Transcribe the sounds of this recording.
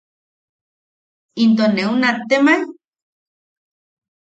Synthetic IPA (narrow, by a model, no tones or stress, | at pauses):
int̪oneunat̪emaj